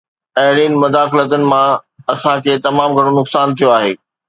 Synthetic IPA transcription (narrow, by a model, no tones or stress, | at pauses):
ɐɦɪɽ̃iːnɪ̆mʊd̪aːxɪlət̪ənɪ̆mãɐsãkʰeːt̪ɐmaːmɡʱɐɽ̃onʊksaːnt̪ʰijoaːɦḛː